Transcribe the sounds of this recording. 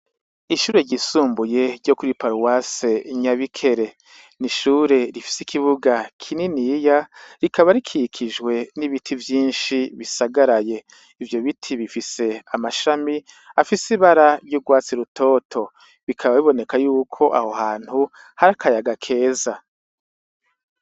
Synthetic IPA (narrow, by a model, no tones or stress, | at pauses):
iʃuːɾe̞ɾɟisuːmbuje̞ɾɟo̞kuɾipaɾuwaseɲaβikʰe̞ɾe̞ | niʃuːɾe̞ɾifi̥sikʰiβuɡakʰininijaɾikaβaɾikʰikʰiʒɡwe̞niβitʰivjiːnʃiβisaɡaɾaje̞ | ivjo̞βitʰiβifise̞amaʃami | afisiβaɾaɾjuɡwaːt͡siɾutʰo̞ːtʰo̞ | βikʰaβaβiβo̞ne̞kajuːkʰo̞ʔa̰hohaːn̥hu | haɾakʰajaɡakʰe̞ːza